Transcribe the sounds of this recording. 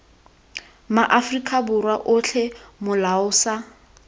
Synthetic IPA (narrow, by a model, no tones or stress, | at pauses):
maʔafrikʼabʊrwaʔʊɬʰɛmʊlaʊːsa